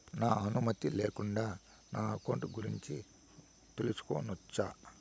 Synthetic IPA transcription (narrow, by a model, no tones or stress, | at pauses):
naːɐnumɐt̪ileːkuɳɖaː | naːɐkoːɳʈuɡuɾiɲt͡ʃi | t̪elusu̥ko̰ːnut͡ʃːaː